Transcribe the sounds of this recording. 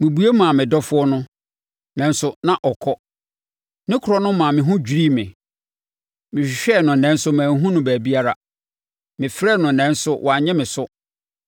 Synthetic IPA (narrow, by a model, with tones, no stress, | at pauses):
mĩ˨bu˨˦e˦mã˨mɪ̃˨dɔ˦fʊ˦ɔ˦nʊ̃˦ | nɛ̃˨˦n˦sʊ˦nã˦ʔɔ˨kʰɔ˦ | nɪ̃˦kʰʊ˨ɾɔ˦nʊ̃˦mã˨mɪ̃˨ɦũ˦d͡ʑᶣi˨ɾi˦mɪ̃˨ | mɪ̃˨ɕᶣɕᶣɛ˦˨nʊ̃˨nɛ̃˦n˦sʊ˦mæ̃ː˨ŋ˦ɦũ˦nʊ̃˦bæ˨bi˦a˦ɾa˦ | mɪ̃˨fɾɛ˦˨nʊ̃˨nɛ̃˨˦n̩˦sʊ˦wʔa˨ɲɛ̃˦mɪ̃˨sʊ˦